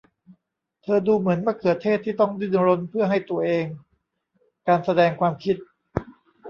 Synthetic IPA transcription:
t̪ʰɤː˧duː˧mɯ˩˦ənwaː˥˩kʰɯ˨˩ət̪ʰːeː˥˩t̪ʰːiː˥˩t̪ɔ˥˩ŋdɯ˥˩nɾo˧npʰɯ˥˩əɦa˥˩jt̪u˧ɐʔeː˧ŋ | kaː˧nsa˧dɛː˧ŋkʰwaː˧mkʰi˦˥t̪̚

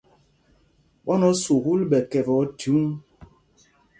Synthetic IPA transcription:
ɓɔ˦nɔ˦su˨ku˦lɓɛ˨kɛ˨vɔ˨˦tu˨˦ŋ

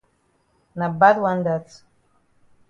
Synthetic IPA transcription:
na˨ba˦d̪wa˦nd̪a˨t

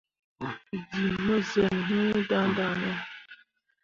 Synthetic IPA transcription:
di˨mə˦zə˨n˨ɦu˦da˦n˦da˦nə˦

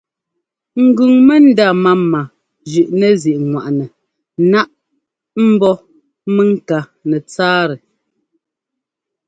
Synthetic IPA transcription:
ŋ̩˨ɡʉ˨ŋmɛ˦n̩˦da˦˨ma˦ma˨ | d͡ʒʉ˨ʔnɛ˦˨zi˨ʔŋwa̰˨ʔnɛ˨ | na˦ʔ | m̩˦bɔ˦ | mɛ˦ŋ̩˦˨ka˨ | nɛ˨t͡saː˦ɾɛ˨

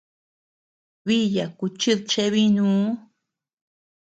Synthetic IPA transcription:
βi˦ja˨ku˧t͡ʃɨ˦ðt͡ʃe˦βi˦nũː˦

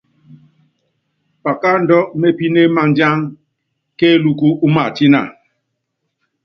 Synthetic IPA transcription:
pa˨ka˦n̩˨dɔ˦me˦pi˦ne˦ma˦n˨˦d͡ʒa˦ŋ | ke˦lu˦ku˦ʔu˦ma˨ti˦na̰˨

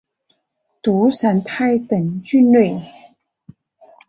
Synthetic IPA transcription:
t̪u˧˥sa˧˥np̪ʰa˥˩ɪt̪ə˨˩ŋt͡ɕy˥˧nnlwe˥˩ɪ

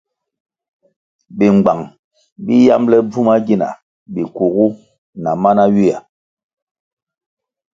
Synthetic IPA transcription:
bi˨ŋ͡mɡ͡ba˨ŋ | bi˦ja̰˦mlɛ˦b͡vu˦ma˦ɡi˦na̰˨ | bi˨ku˨ɡu˦ | na˨ma˦na˦ɥi˦a˨

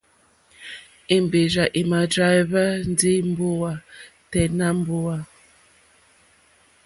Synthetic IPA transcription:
e˨m˨be˨za˨ʔi˨ma˨dɾa˦jva˦n˦di˦m̩˦bo˦wa˦ | tɛ˨na˦m̩˦bo˦wa˦

